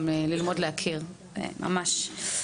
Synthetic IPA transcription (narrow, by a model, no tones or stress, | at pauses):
melilmo̞dleakʰiʁ | ḛma̰maʃ